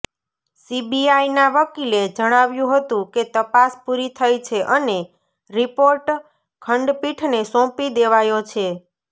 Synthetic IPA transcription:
sibiajnaʋəkiled͡ʒəɽ̃aʋjũɦət̪ũket̪əpaspuɾit̪ʰəjt͡ʃʰeʔəne | ɾipoɾʈ | kʰəɳɖpiʈʰnesɔ̃pid̪eʋajot͡ʃʰe

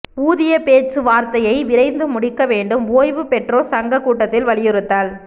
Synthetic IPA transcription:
uːðɪjɐpeːt͡ʃɯʋaːɾt̪ɐjɐɪʋɪɾɐɪnd̪ɯmʊɽɪkːɐʋeːɳɖɯmoːjʋɯpɛʈroːsɐŋɡɐkːuːʈːɐt̪ːɪlʋɐɭɪjɪɾɯt̪ːaːl

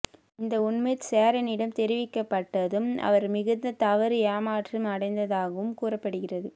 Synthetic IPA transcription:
ɪnd̪ɐʊɳmɐɪseːɾɐnɪɽɐmt̪ɛɾɪʋɪkːɐpːɐʈːɐðɯmɐ̰ʋɐɾmɪɣɯnd̪ɐt̪ɐʋɐɾɯjaːmaːʈrɯmɐɽɐɪnd̪ɐðaːɣɐʋɯmkuːrɐpːɐɽɯɣɪrɐðɯ

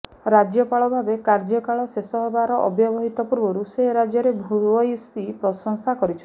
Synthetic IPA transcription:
ɾad͡ʒjɔpaɭɔbʱabekaɾd͡ʒɔkaɭɔsesɔɦebaɾɔʔɔbjɔbɔɦit̪ɔpuɾbɔɾuseɦɾad͡ʒjɔɾebʱuɔjusipɾɔsɔŋsakɔɾit͡ʃʰɔ

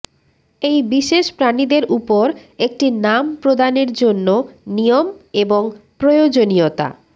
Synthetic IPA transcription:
ejbiʃeʃpɾanid̪eɾʔupoɾek̚ʈinampɾod̪aneɾd͡ʑonːonijomeboŋpɾojod͡ʑoniot̪a̰

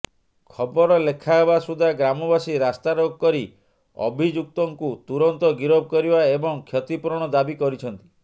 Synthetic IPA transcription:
kʰɔbɔɾɔlekʰaɦebasud̪ʱaɡɾamɔbasiɾast̪aɾoɡɔkɔɾi | ɔ̰bʱid͡ʒuk̚t̪ɔŋkut̪uɾɔnt̪ɔɡiɾobɔkɔɾibaebɔŋkʰjɔt̪ipuɾɔɽ̃ɔd̪abikɔɾit͡ʃʰɔnt̪i̥

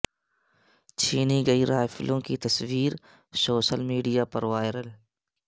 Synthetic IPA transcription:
t͡ʃʰiːniɡɐiɾaːfɪlõkit̪ɐsʋiːɾ | soːʃəlmiːɖijaːpɐɾʋaːɪɾəl

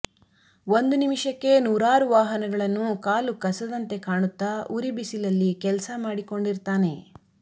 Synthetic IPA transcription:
ond̪unimʂɐkːe̞nuːɾaːɾuʋaːɦɐnɐɡɐɭɐnːukaːlukɐsɐd̪ɐnt̪e̞kaːɳut̪ːaʔuɾibisilɐlːikɛlɐsɐmaːɽiko̞ɳɖiɾt̪aːne̞

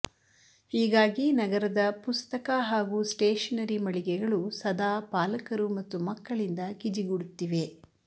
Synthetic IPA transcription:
hiːɡaːɡinɐɡɐɾɐd̪ɐpust̪ɐkaɦaːɡusʈeːʂɐnɐɾimɐɭiɡɛɡɐɭusɐd̪aːpaːlɐkɐɾumɐt̪ːumɐkːɐɭind̪ɐkid͡ʒiɡuɽut̪ːiʋe̞

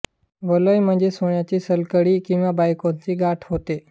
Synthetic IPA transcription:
ʋələjm̤əɳd͡zesoɳjat͡ɕiːsəlkəɽiːkĩw̃ʋabajkont͡ɕiːɡaʈʰɦot̪e

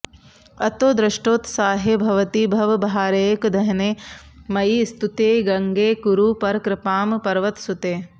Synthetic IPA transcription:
ɐt̪oːd̪ɾɪʃʈoːt̪saːɦebʱɐʋɐt̪ibʱɐʋɐbʱɦaːɾeːkd̪ʱɐɦɐneːmɐjist̪ut̪eːɡɐŋɡeːkuɾupɐɾkɾɪpaːmpɐɾʋɐt̪sut̪eː

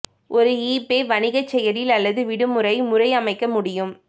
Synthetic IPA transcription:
ʔɔɾɯiːpeːʋɐnɪɣɐt͡ʃːɛjɐɾɪlɐlːɐðɯʋɪɽɯmʊɾɐɪmʊɾɐɪɐmɐɪkːɐmʊɽɪjɯm

